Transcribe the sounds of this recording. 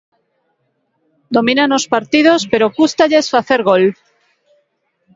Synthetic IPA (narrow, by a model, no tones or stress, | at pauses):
d̪o̞mĩnanospaɾt̪iðo̞spe̞ɾo̞kust̪aʎasfaθe̞ɾɣ̞o̞l